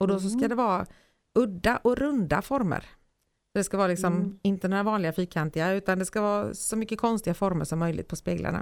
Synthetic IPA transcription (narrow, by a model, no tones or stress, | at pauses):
ɔd̪ɔs̬ɔskad̪ɛvɑː | ɵd̪ːaʔɔɾɵnd̪a̰fɔɾmə̰ɾ | sɔd̪ɛskavɑːlɪksɔmɪnt̪ənoːɾavɑːnlɪɡafyːkʰːant̪ɪaʉ̟ːt̪and̪ɛskavɑːsɔmʏkːəkʰɔnst̪ɪɡafɔɾmə̰ʂɔmːœjlɪ̰t̪pʰɔspeːɡla̰ɳa̰